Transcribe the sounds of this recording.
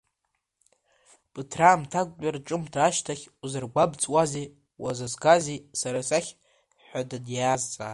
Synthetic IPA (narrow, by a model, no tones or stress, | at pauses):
b̥ɨtʰraːmtʰakʷʼt͡ʃʼarʈ͡ʂʼɨmtʰaːʃtʰaχʲuzɨrɡʷabt͡sʼwazi | wazazɡazisaɾasaχʲ | ħʷadadjaːzt͡sʼa̰ː